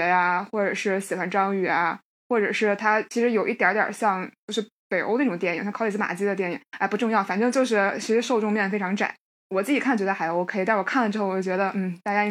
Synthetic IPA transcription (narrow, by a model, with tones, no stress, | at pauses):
ja˧xwɔ˥˩ʈ͡ʂɤ˨˩ʂɻ̩˥˩ɕi˨˩xwa˧˥nʈ͡ʂɑ˥ŋy˥˩ja˨˩ | xwɔ˥˩ʈ͡ʂɤ˨˩ʂɻ̩˥˩t̪ʰa˥t͡ɕʰi˧˥ʂɻ̩˧˥jo˨˩ʊʔi˥˩t̪jɑ˧˥t̪jɑ̰˨˩ɕjɑ˥˧ŋt͡ɕjo˥˧ʊʂɻ̩˥˩ | pe˨˩ɪʔo̰˥ʊəna˥˩ʊ˨˩ŋt̪jɛ˩nḭ˨˩ŋɕɑ˥˧kʰi˧˥t͡s̩˥ma̰˨˩t͡ɕi˥d̪ə˧t̪jɛ˥˩nḭ˨˩˦ŋa˥˩pu˧˥ʈ͡ʂʊ˥˧ŋjɑ˥˩ʊfa˨˩nʈ͡ʂɤ˥˧ŋt͡ɕjo˥˧ʊʂ̬ɻ̩˥˩t͡ɕʰi˧˥ʂɻ̩˧˥ʂo˥˧ʊʈ͡ʂʊ˥˧ŋmjɛ˥˩nə˩fe˥ɪʈ͡ʂʰɑ˧˥ŋʈ͡ʂa̰˨˩˦ | wɔ˨˩t͡sɹ̩˥˩t͡ɕi˨˩kʰa˥˩n˩t͡ɕɥɛ˧˥ə˧xa˧˥ɪjo˧˥kʰi˧˥˩wɔ˨˩kʰa˥˩lə˩ʈ͡ʂɻ̩˥xo˥˩wɔ˩˥˩t͡ɕɥɛ˧˥d̪ə˧n̩˥˩t̪a˥˧˩t͡ɕja˥i˥